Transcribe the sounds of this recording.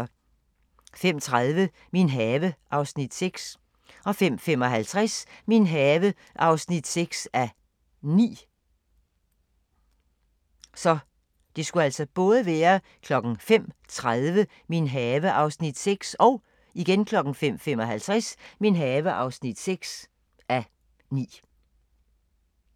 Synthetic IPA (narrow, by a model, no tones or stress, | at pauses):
fem̰t͡sʰʁað̞ˠʋə | minɦɛːʋəʔɑ̈ʊsnid̥seɡ̥s | ɒ̽fem̰fem̰ɒ̽ɦælt͡sʰʁasminɦɛːʋə | ʔɑ̈ʊsnid̥seɡ̥sæ | nḭː | sɒ̽ | d̥e̝sɡ̥uæl̰sɒ̽b̥ɔ̽ːð̞ˠəʋæːɐ | kʰlɒ̽ɡ̥n̩fem̰t͡sʰʁaðˠʋə | minɦɛːʋəʔɑ̈ʊsnid̥seɡ̥sɒ̽ʊ | iɡ̥enkʰlɒ̽ɡ̥n̩fem̰fem̰ɒ̽ɦælt͡sʰʁasminɦɛːʋəʔɑ̈ʊsnid̥seɡ̥s | æ | nḭː